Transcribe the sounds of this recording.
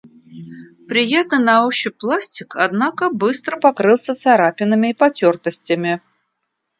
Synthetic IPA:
pɾʲɪjat̪nɨnɐoɕːɪplˠasʲtʲɪkʰad̪nakəbɨst̪ɾəpakɾɨlˠsʲət̪saɾapʲɪnɨmʲɪipɐtʲort̪əsʲtʲɪmʲɪ

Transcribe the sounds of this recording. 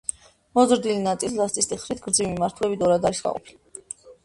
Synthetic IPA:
mɔzɾd̪ilinat̪sʼḭlslast̪ʼist̪ʰʼiχɾit̪ʰɡɾd̪zivimimaɾt̪ʰlɛbid̪ɔɾad̪aɾisɡa̰qʼɔ̰pʰili

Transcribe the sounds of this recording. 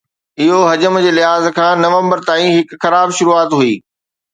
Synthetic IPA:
ɪɦoɦɐd͡ʑəmd͡ʑeːlɪɦaːzkʰãːnɐʋə̃mbəɾt̪aːĩɦɪkxɐɾaːbʃʊɾuːaːt̪ɦuiː

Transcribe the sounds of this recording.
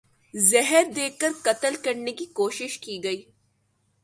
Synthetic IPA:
zɛɦəɾd̪eːkːɐɾkɐt̪əlkɐɾnekikoːʃɪʃkiːɡɐiː

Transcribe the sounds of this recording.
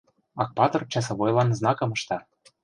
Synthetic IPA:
ɑk̚pɑt̪ɤ̆rt͡ɕɑs̬ɤ̆βojlˠɑnznɑkɤ̆mɤ̆ʃt̪ɑ

